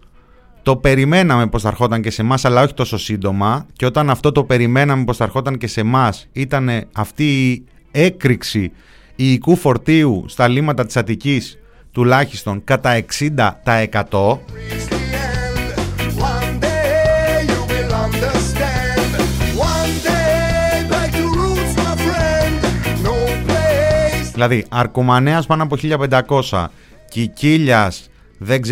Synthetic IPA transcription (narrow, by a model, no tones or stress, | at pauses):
t̪o̞pe̞ɾime̞nɐme̞po̞sɐɾxo̞t̪ɐɲce̞se̞mɐsɐlɐoçi̥t̪o̞so̞sind̪o̞mɐceo̞t̪ɐnɐft̪o̞t̪ope̞ɾime̞nɐme̞po̞st̪ɐɾxo̞t̪ɐɲce̞se̞mɐsit̪ɐne̞ɐft̪iː | e̞kɾiksi | iːkufo̞ɾt̪iust̪ɐlimɐt̪ɐt̪i̥sɐt̪icis | t̪ulɐçi̥st̪o̞ŋkɐt̪ɐe̞ksind̪ɐt̪ɐe̞kɐt̪o̞iɛ̃ndwʌ̃ndejuwɪlˠɐ̃ndə˞stæ̃ndwʌ̃ndebat͡ʃuɹutsmafɹɛ̃ndnoʊplezðilɐðiɐɾkomɐneɐspɐnoɐpo̞çiʎɐpe̞nd̪ɐko̞sɐ̰ | ceciʎɐs | ðeɡz